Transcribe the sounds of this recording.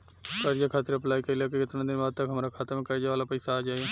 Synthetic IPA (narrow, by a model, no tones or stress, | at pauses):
kəɾd͡ʒaːkʰaːt̪əɾəplaːiːkəilaːkekɪt̪ənãːd̪ɪnbaːd̪̚t̪əkɦəmɾaːkʰaːt̪əmẽːkəɾd͡ʒaːʋaːlaːpəiːsaːd͡ʒaːaː